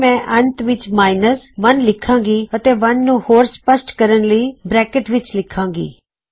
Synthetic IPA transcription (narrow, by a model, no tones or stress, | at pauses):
mɛ̃ːʔənt̪ʋɪt͡ʃmaːɪnəsʋənlɪkʰːãːɡiːət̪eːʋənːũːhoːɾspəsʈkəɾənləiːbɾɛːkəʈʋɪt͡ʃlɪkʰːãːɡḭː